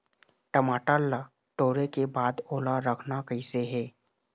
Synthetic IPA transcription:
ʈəmaːʈəlːa | ʈoːɾekebaːd̪oːlaɾəkʰnakəɪseɦɛː

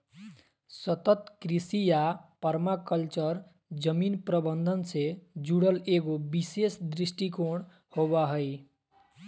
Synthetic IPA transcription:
sʌt̪ʌt̪kɾisijapʌɾmakʌlt͡ʃʌɾ | d͡zʌminpɾʌbʌnd̪ʱʌnsed͡ʒuɽʌleɡobisesd̪ɾisʈikoɽ̃ | hoβaɦʌj

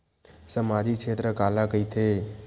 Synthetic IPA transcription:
səmad̪ikʃʰet̪ɾəkalakəit̪ʰe

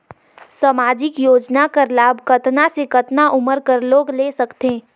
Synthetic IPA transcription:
samaːd͡ʒɪkjoːd͡ʒnakəɾlaːbkɐt̪nasekɐt̪naʔʊməɾkəɾloːɡleːsɐkt̪eː

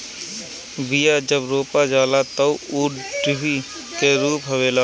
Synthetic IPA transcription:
ʋijad͡ʒəbɾoːpad͡ʒaːlat̪əwuːɖɪɦi | keɾuːpɦɐʋeːlaː

